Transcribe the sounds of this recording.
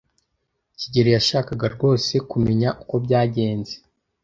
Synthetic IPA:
ciɟeɾejaʃaːkaɡaɾɡo̞ːse̞kume̞ɲaʔuko̞bɟaːɟe̞ːnze

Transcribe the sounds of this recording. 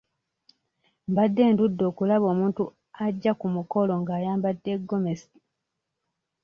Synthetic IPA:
mbadːe̞ːndudːo̞ːkulaβo̞ːmuːntu | aɟːakumuko̞lo̞ŋɡaːjaːmbadːe̞ɡːo̞mesi̥

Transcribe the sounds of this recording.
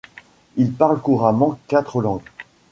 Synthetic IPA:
ilpaʁlkuʁamɑ̃kːat̪χəlɑ̃ɡ

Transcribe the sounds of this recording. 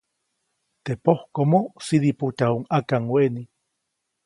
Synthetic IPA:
t̪epohkomosiðiput̪auŋakaŋweni

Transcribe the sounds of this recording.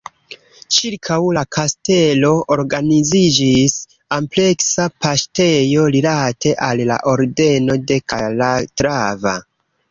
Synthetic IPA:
t͡ʃiɾkʰawlakʰaste̞lo̞oɾɡanizid͡ʒis | ample̞ksapaste̞jo̞lilatʰe̞ʔalːa̰ʔo̞ɾde̞no̞de̞kalatɾava̰

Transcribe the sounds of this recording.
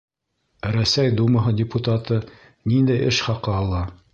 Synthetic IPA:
ɾæsæjd̪umɑɦɤdʲɪput̪at̪ɤ | nind̪æjɘʃχɑqɤɑlˠɑ

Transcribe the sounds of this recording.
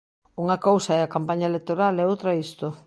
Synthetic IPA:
uŋɐkowsɐɛakampaɲaelek̚t̪oɾalɛowt̪ɾaist̪ʊ

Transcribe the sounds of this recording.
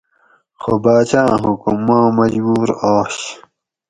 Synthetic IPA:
xobaːt͡ɕãːɦukumːãːmɐd͡ʑbuːɾaːɕ

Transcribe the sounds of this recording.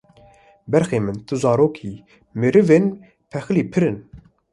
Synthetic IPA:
bɛɾxeːmɨnt̪ʰɨzɑːɾoːkʰiː | mɨɾɨveːn | pʰɛxɨliːpʰɨɾɨn

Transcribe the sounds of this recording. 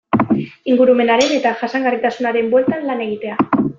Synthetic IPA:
iŋɡuɾume̞naɾe̞ne̞t̪aʝasaŋɡarit̪asunaɾe̞mbwe̞lt̪anlane̞ɣit̪e̞a

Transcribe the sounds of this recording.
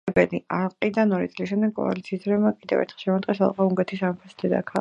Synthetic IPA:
bɛlialqʼid̪anɔɾit̪sʼlisʃɛmd̪ɛɡ̚kʼɔ̰a̰lit̪sʰiːsd̪ɾɛmakʼid̪ɛ̰vɛ̰ɾt̪ʰχɛ̥lˠʃɛmat̪ʼqʼɛsa̰lˠqʼauŋɡɛt̪ʰisampʰasd̪ɛd̪a̰kʰa

